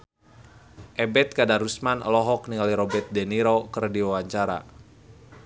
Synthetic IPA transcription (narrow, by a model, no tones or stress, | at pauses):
ʔɛbɛt̪̚kadarusmanɔ̰lɔɦɔk̚niŋaliɾɔbɛrt̪̚dɛniɾokərdiwawaɲt͡ʃaɾa̰